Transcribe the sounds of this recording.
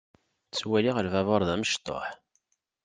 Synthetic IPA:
t͡sːwæliʁəlvævɑɾˤðæməʃt̪ˤːo̰ħ

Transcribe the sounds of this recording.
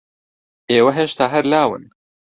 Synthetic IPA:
ʔeːwɐɦeʃt̪aːɦɛɾlaːwɨ̰n

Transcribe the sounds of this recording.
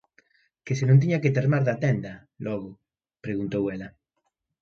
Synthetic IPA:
kesenõnt̪̬iɲaket̪eɾmaɾðat̪ɛnd̪a | lɔɣʊ | pɾeɣunt̪owela

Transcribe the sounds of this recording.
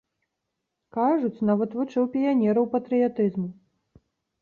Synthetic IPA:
kaʐut͡sʲnavɐt̪vut͡ʂɨwpʲijanʲɛɾɐwpɐt̪ɾɨjat̪ɨzmu

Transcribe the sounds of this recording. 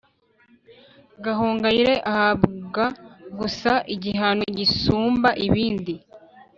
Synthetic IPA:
ɡaɦuːŋɡajiɾe̞ʔahaβɡaɡusaʔiɟiɦanoɟisuːmbaʔiβiːndi

